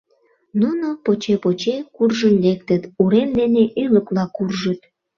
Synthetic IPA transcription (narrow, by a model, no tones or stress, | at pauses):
nunopot͡ɕepot͡ɕekurʒənlek̚t̪ət̪uɾemd̪eneʔyləklɑkurʒət̪̚